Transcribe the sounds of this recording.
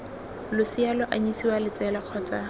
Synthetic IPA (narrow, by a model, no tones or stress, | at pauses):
lʊsialɔʔaɲisiwalɪt͡sʼɛlaq͡χʰɔːt͡sʼa